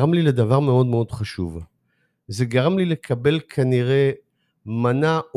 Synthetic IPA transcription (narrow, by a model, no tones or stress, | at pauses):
ʁamliled̪avaʁme̞o̞d̪me̞o̞d̪χaʃṵv | zeɡaʁamlile̞kʰabe̞lkʰaniʁe̞ | manaʔ